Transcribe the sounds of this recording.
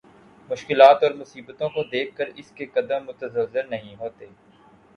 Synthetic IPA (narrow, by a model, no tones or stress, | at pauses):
mʊʃkɪlaːt̪ɔːɾmʊsiːbət̪õkod̪eːkʰkːəɾɪskekɐd̪əmːʊt̪əzəzɪɾnɐɦĩɦoːt̪eː